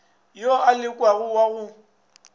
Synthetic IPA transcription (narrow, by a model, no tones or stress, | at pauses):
joʔalɪkʼwaɣʊwaɣʊ